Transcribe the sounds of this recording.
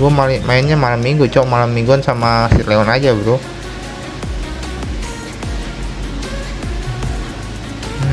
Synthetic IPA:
uɔmalɪmaɛnɲamalamːiŋɡot͡ʃɔmalamːiŋɡɔnsamasit̪leɔnad͡ʒabəɾo

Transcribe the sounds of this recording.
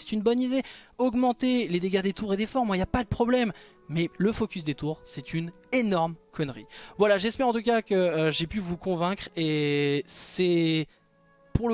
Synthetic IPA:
sɛ̥t̪ynbɔnid̪eɔɡmɑ̃t̪eled̪eɡad̪et̪uʁed̪efɔʁmwailjapad̪əpχɔblɛmː | ɛləfɔkʲys̬d̪et̪uʁsɛt̪yn | enɔʁmkʰɔnʁḭvwalaʒɛspɛʁɑ̃t̪ukakəːʒepyvukɔ̃vɛ̃kχe | sɛ | puʁə

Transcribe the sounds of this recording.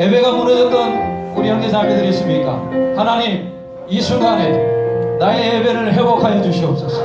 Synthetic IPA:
ɦebe̞ɡamunʌdʌt͈ʌnuɾiaŋɡesʰaɡedɯɾis͈umik͈a̰hanaɲim | jisʰuɡanenaeɦebeɾɯɭɦebokʰajed͡ʑuɕʰiʌp̚s͈ʌs͈ʌ̥

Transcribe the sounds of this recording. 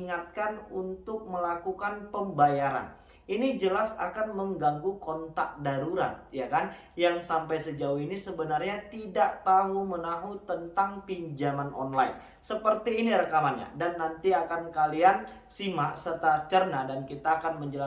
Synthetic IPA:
ŋat̪̚kanunt̪ʊk̚məlakukanpəmbajaɾa̰n | inid͡ʒəlasa̰kanməŋɡaŋɡukɔnt̪a̰k̚daɾuɾa̰t̪̚jakan | jaŋsampajsəd͡ʒauinisəbənarɲat̪idaʔt̪aɦumənaɦut̪ənt̪aŋpiɲd͡ʒamanʔɔ̰nlain | səpərt̪iːniɾəkamanɲa̰danːant̪iakankalian | simaʔsərt̪at͡ʃərnadankit̪aːkanməɲd͡ʒəla

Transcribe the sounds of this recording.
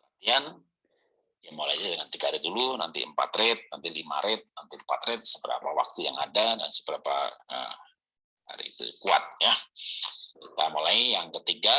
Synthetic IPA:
kəlant̪ian | jamolaid͡ʒadəŋant̪ikaɾiduluna̰nt̪ḭəmpa̰t̪ɾɪt̪̚nant̪ilima̰ɾɪt̪̚nant̪impat̪ɾɛt̪̚səbəɾa̰pawa̰k̚t̪ujaŋadada̰nsə̥bəɾapa̰ə̰ | ha̰ɾḭːt̪ṵkua̰t̪̚ja | kit̪amolajjaŋkət̪iɡa

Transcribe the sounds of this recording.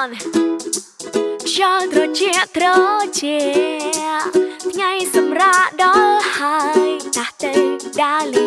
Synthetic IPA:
n | ɕɔlt̪rot͡ɕiəʔt̪rɔt͡ɕɛ | ʔt̪ʰŋajsɑmraʔɗɑlhajt̪aht̪əwɗali

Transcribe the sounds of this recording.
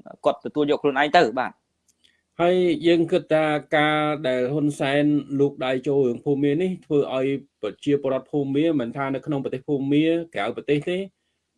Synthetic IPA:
kŏət̪ːɔt̪uəljɔːkʰluənʔaɛŋt̪ɨwɓa̰ːt̪̚ | haəjjəːŋkɨt̪ʰːaːkaːɗaɛlɦunsaɛnluːk̚ɗajt͡ɕoːlɾɨəŋpʰuːmːiəniht̪ʰʋəːʔaɔjprɑt͡ɕiəpoəɾŏət̪̚pʰuːmːiəmɨnt̪ʰaːnɨwkʰnoŋpəɑt̪eːhpʰuːmːiəkɛawpɑt̪eːht̪eː

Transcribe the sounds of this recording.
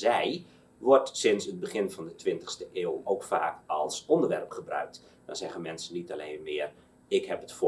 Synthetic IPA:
zɛj | ʋɔrtsɪnsəd̚bəχɪnfɑndətʰʋɪntə̥xstəʔeːlˠowkfa̰ːkɔlˠsɔndərʋɛ̰rpχəbrœ̰ɥk̚t | dɔnzɛɣənmɛnsənitaleːnmɪər | ɪkhɛpətf

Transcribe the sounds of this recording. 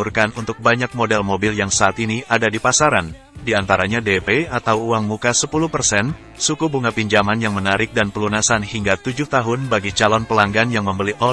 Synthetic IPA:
urkanunt̪ʊk̚baɲak̚modɛlmobɪljaŋsaːt̪iniʔadadipasaɾan | diant̪aɾaɲadepeat̪awuaŋmukasəpuluhpərsɛn | sukubuŋapiɲd͡ʒamanjaŋmənaɾɪk̚danpəlunasanhiŋɡat̪ud͡ʒuht̪aɦʊnbaɡit͡ʃalɔnpəlaŋɡanjaŋməmbəliʔɔ

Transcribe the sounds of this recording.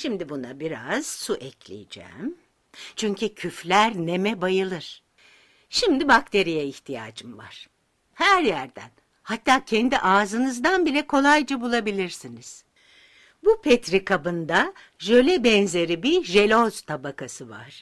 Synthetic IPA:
ʃimd̪ibunabiɾa̰z̥suʔɛclʲḭjid͡ʒɛ̰ːm | t͡ʃʰyɲcʰycʰyflʲæɾne̞mɛbajɯlˠɯɾ̥ | ʃimd̪ibakt̪ʰe̞ɾijɛiçt̪ʰija̰ːd͡ʒɯmva̰ɾ̥ | hæɾjæɾd̪æ̰n | hat̪ʰːaːcʰɛnd̪iʔaːzɯnɯzd̪anbilʲɛkʰo̞lˠajd͡ʒabulˠabilʲiɾsiniz̥ | bupʰɛt̪ɾikʰabɯnd̪a | ʒø̞lʲɛbɛnze̞ɾibiʒe̞lʲoz̥t̪ʰabakʰasɯva̰ɾ̥

